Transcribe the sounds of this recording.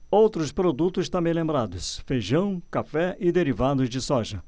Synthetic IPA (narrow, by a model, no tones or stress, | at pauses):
owt̪ɾʊspɾod̪ut̪ʊst̪ɐ̃mbẽj̃lẽmbɾad̪ʊsfeʒɐ̃w̃kafɛʔɪd̪eɾivad̪ʊzd͡ʒɪsɔʒɐ